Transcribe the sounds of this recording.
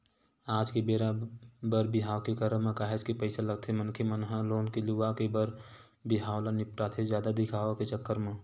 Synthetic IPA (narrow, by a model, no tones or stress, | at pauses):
aːd͡ʒkebeːɾabəɾbɪɦaːwkekəɾəmẽkaːɦed͡ʒkepəɪsaləɡ̚t̪ʰemənkʰemənɦaloːnkeluʋakebəɾ | bɪɦaːwlanɪpʈaːt̪ʰezjaːd̪ad̪ɪkʰaːʋaket͡ʃəkːəɾmẽ